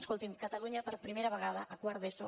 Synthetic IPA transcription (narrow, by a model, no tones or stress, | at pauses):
skolˠt̪imkət̪əluɲəpəɾpɾimeɾəβəɣaðəʔːkwaɾðeso